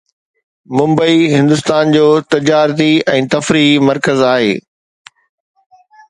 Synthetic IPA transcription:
mʊ̃mbəiɦɪ̃nd̪ʊst̪aːnd͡ʑoːt̪ɪd͡ʑaːɾt̪̬iɛ̃ːt̪ɐfɾimɐɾkəzaːɦḛː

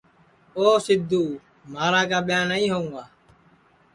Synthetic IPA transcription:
oːsɪd̪ʱuː | maːɾãːkaːɓɪjaːnəĩːɦoːũŋɡaː

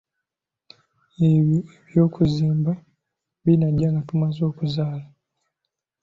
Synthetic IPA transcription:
eβieβjo̞ːkuziːmba | βinaɟaŋɡatumazo̞ːkuzaːla

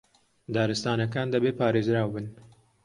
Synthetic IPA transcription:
d̪ɑːɾɨst̪aːnɐkaːnd̪ɐbeːpɑːɾeːzɾaːwbɨn

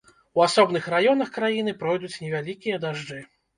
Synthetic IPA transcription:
uasɔbnɨxrajɔn̪ɐxkɾajinɨpɾɔjd̪ut͡sʲnʲɛvʲalʲikʲijɐd̪aʐd͡ʐɨ

